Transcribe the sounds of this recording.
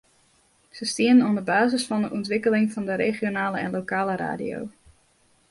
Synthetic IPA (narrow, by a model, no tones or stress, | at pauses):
səstiənənɔndəbaːzəsfɔndəʔɔntʋɪkəlɪŋfɔndəɾeχjonaːləɛ̰nlokaːləɾa̰ːdḭo̰w